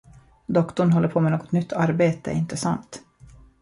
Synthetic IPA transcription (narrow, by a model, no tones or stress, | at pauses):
d̪ɔkt̪ʊɳɦɔlːəɾpʰoːmɛnoːɡɔt̪nʏt̪ʰːaɾbeːt̪ə̰ʔɪnt̪əsant̪